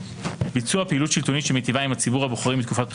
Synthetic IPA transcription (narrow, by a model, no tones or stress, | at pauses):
bit͡suapeilutʃilt̪onitʃemet̪ivaimhat͡sibuʁhaboχʁimit̪kufat̚p